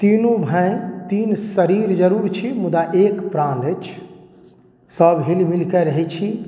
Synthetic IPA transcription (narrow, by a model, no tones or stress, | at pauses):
t̪inũbʱə̃j̃t̪insəɾiɾd͡ʒəɾuɾt͡ʃʰimud̪aʔekpɾãnət͡ʃʰ | səbɦelimilkəɾəɦɛt͡ʃʰi